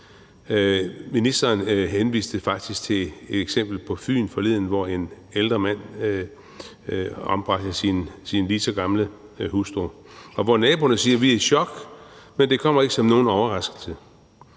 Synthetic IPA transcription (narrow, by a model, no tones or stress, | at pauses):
minisd̥ɐːnɦenʋḭːsd̥əfɑ̈ɡ̥̚d̥isɡ̥t͡sʰe̝e̝d̥eɡ̥sem̰b̥l̩pʰɒ̽fy̰ːn̩fɒ̽le̝ð̞̰ˠn̩ʋɒe̝n | eld̥ʁɐmæn̰ | ɒ̽mb̥ʁɑɡ̥əsinsinlisɒɡ̥ɑ̈mlə | husd̥o̝ɒ̽ʋɒnɛːb̥o̝nəsiːɐʋiæiɕɒ̽ɡ̥mend̥e̝kʰɒ̽m̰ɐe̝ɡ̥sɒ̽mno̝ːn̩ɒʊɐʁɑ̈sɡ̥l̩sʰə